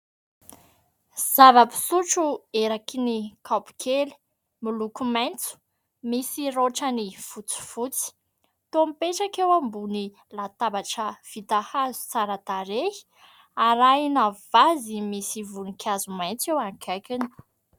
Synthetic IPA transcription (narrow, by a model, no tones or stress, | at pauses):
z̥avəpi̥suʈ͡ʂueɾakinikʰapi̥kʰeli̥ | milukumajnt͡su̥ | misiɾoʈ͡ʂənifut͡si̥fut͡si̥ | t̪omipeʈ͡ʂakewambuni | lat̪abaʈ͡ʂəv̥it̪ahazu̥t͡saɾad̪aɾehi̥ | aɾainavazimisivunikʲʰazumajnt͡sewaŋkʰajkini̥